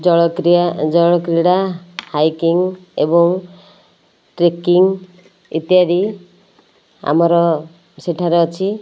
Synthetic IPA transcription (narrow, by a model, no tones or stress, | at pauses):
d͡ʒɔɭɔkɾiad͡ʒɔɭ̃ɔkɾiɽahajkiŋebɔŋ | ʈɾekiŋ | ḭt̪ijaɾi | a̰mɔɾɔ | seʈʰaɾeɔt͡ʃʰi